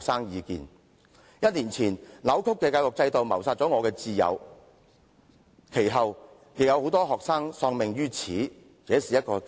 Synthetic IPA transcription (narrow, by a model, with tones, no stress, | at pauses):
k̚saː˥ŋjiː˨˧kḭː˨n | jɐ˥t̚niː˨˩nt͡sʰiː˨˩nlɐ˨˥wkʰʊ˥kːɛː˧kaː˧wɔ˨k̚t͡sɐ˧jt̪o˨wmɐ˨˩wsaː˧t̚t͡sɔ˨˥ŋɔː˨˧kɛː˧t͡siː˧jɐ̰˨˧w | kʰe˨˩jɦɐ˨w | jɪ˨k̚jɐ˨˧who˨˥wt̪ɔː˥ɦɔː˨k̚saː˥ŋsɔː˧ŋmɪ˨ŋjyː˥t͡sʰiː˨˥ | t͡sɛː˨˥siː˨jɐ˥t̚kɔː˧